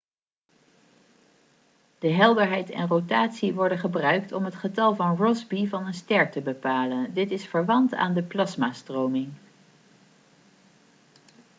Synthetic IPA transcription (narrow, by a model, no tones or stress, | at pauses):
d̥əɦɛlˠdəɹɦɛjtɛ̰nrotaːtsiʋɔɹdənχəbrœɥk̚tɔmɦətχətɑlˠvɑnrɔzbivɑnənstɛɹtəbəpaːləndɪtɪsfəɹʋɑnta̰ːndəplɑsmaːstrowmɪŋ